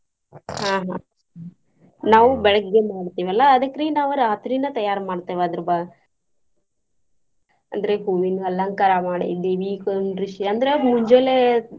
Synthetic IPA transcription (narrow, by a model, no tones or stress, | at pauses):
ɦaːɦaː | naːʋubɛɭɐɡɡːemaːɽt̪iːʋɐlːɐːd̪ɐkːɾinaːʋuɾaːt̪ɾinɐt̪ɐjaːɾmaːɽt̪eʋad̪ɐɾba | ɐ̰nd̪ɐɾeɦuʋinɐlaŋkaɾamaːɽḭd̪iʋiːkɐnɾiʃiɐnd̪ɐɾemuɲd͡ʒele